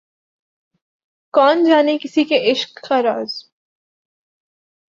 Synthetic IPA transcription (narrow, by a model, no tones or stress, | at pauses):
kɔːnd͡ʒaːnekɪsikeʔɪʃkːaɾaːz